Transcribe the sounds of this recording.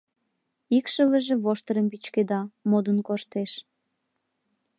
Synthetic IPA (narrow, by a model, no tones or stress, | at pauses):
ikʃəβəʒĕβoʃt̪əɾəmbit͡ɕked̪ɑmod̪ənkoʃt̪eʃ